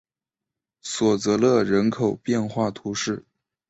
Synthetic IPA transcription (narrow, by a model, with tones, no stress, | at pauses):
swɔ˨˩t͡sɤ˧˥lɤ˥˧ɻə˧˥nkʰo˨˩ʊpjɛ˥˧nxwa˥˩t̪ʰu˧˥ʂɻ̩˥˩